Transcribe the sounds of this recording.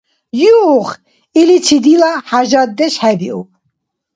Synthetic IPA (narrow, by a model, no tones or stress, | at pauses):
juːχ | ilit͡sʰid̪ilaħaʒad̪ɛʃħɛbiṵ